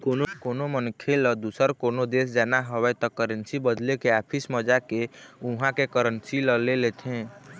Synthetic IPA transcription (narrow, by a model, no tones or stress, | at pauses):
konokonomənkʰeləd̪usəɾkonod̪esd͡ʒanaɦəbɛt̪ɔkəɾənsibəd̪lekeapʰisməd͡ʒakeuɦãkekəɾənsiləlelet̪ʰẽ